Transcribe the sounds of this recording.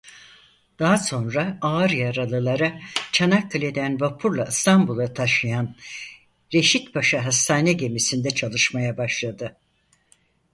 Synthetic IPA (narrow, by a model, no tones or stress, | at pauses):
d̪̥aɦaso̞nɾaaːɾjaɾalˠɯlˠaɾat͡ʃʰanakʰːalʲe̞d̪ænbapʰuɾlˠaɯst̪ʰambulˠat̪ʰaʃɯjan | ɾe̞ʃit̪baʃaɦast̪ʰaːnɛɟe̞misind̪ɛt͡ʃʰalˠɯʃmajabaʃlˠad̪ɯ